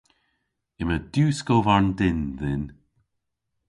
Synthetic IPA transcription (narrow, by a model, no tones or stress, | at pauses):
ɪməd̪̥uːskovaɹndɪnðɪn